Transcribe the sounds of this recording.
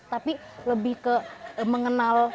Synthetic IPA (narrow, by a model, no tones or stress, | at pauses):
t̪api | ləbɪhkəməŋənal